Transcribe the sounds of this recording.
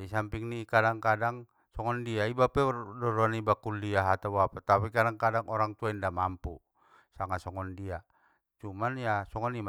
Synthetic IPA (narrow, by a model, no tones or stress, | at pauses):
isampiŋnikadaŋkadaŋ | sɔŋɔndiaibapɛdɔɾɔanibakuliaɦat̪awapat̪apikadaŋkadaŋɔɾaŋt̪uaindamampu | saŋasɔŋɔndia | t͡ʃumanjasɔŋɔnim